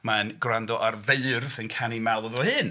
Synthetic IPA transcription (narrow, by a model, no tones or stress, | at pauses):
maənɡrandɔʔarveɨrvənkʰanimɛlˠəvɔhɨːn